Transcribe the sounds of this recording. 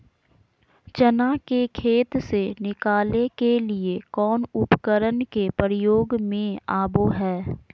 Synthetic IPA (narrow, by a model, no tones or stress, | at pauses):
t͡ʃənakekʰeːt̪senɪkaːlekeliekɔːnʊpkəɾənkepəɾɪjoːɡmẽaːboɦɛː